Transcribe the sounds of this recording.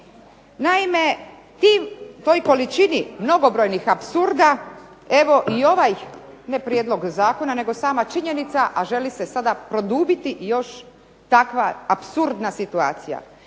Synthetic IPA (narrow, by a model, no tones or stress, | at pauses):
naime̞ | t̪iːmt̪o̞jko̞lit͡ʃinimno̞ɡo̞bɾo̞jnixapsuɾd̪a | e̞ʋo̞ʔio̞ʋaj | ne̞pɾjed̪lo̞ɡzaːko̞nane̞ɡo̞saːmat͡ʃiɲe̞nit̪saʔaʒe̞lise̞sad̪apɾo̞d̪uːbit̪ijo̞ʃ | t̪akʋaːpsuɾd̪nasit̪ua̰ːt̪sija̰